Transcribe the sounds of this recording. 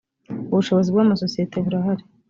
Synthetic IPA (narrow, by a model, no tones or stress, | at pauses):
uβuʃo̞βozibɡaːmaso̞sijetʰe̞βuɾaɦaɾe̥